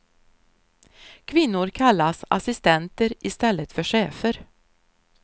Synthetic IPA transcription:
kʰvɪnːʊɾkʰalːasa̰sɪst̪ɛnt̪əɾɪst̪ɛlːət̪fœʂeːfəɾ

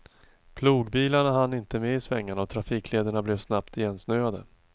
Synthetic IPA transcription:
pʰluːɡbiːlaɳaɦanːɪnt̪əmeɪsvɛŋːaɳaɔt̪ʰɾafiːkʰleːd̪əɳablɛvsnapt̪jɛnsnøːad̪ə

